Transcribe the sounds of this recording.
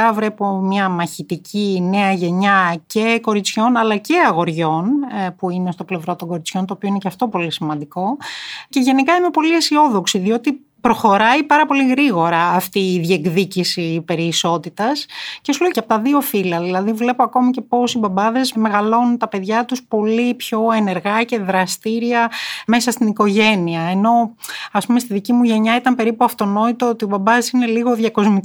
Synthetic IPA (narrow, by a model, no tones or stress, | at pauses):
ɐvɾe̞pomɲɐmɐçit̪icʰine̞ɐʝe̞ɲɐce̞ko̞ɾit͡sço̞nɐlɐce̞ɐɣo̞ɾʝo̞npuinest̪o̞ple̞vɾo̞t̪o̞ŋɡo̞ɾit͡sço̞nt̪oːpio̞inecɐft̪o̞po̞lisimɐnd̪iko̞ce̞ʝe̞nikɐimepo̞liesio̞ðo̞ksiðio̞t̪i | pɾo̞xo̞ɾɐipɐɾɐpo̞liɣɾiɣo̞ɾɐːft̪iːðekðicisipe̞ɾiːso̞t̪it̪ɐsce̞suloicɐpot̪ɐðio̞filɐðilɐðivle̞poɐko̞mice̞po̞sibɐbɐðe̞zme̞ɣɐlo̞nunt̪ɐpe̞ðʝɐt̪uspo̞lipço̞e̞ne̞ɾɣɐce̞ðɾɐst̪iɾiɐme̞sɐst̪iniko̞ʝe̞niɐeno̞ɐspumest̪iðicimuʝe̞ɲɐit̪ɐmpe̞ɾipuɐft̪o̞no̞it̪oot̪io̞bɐbɐðesine̞liɣo̞ðʝɐko̞zmi